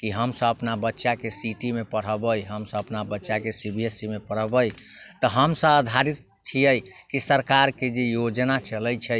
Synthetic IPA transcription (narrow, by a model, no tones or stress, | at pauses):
kiɦəmsə̃əpnabətːʃakesiʈimepəɽ̤əbəjɦəmsə̃əpnabətːʃakesibʱiesimepəɽ̤əbəj | t̪əɦəmsə̃əd̪ʱaɾit̪̚ | t͡ʃʰijəjkisəɾkaɾked͡ʒejod͡ʒnat͡ʃʰələjt͡ʃʰɛ